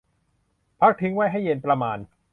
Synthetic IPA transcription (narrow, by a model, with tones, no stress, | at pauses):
pʰa˦˥˩k̚t̪ʰɯ˦˥ŋwa˥˩jɦa˥˩jːe˧npɾa˧maː˧n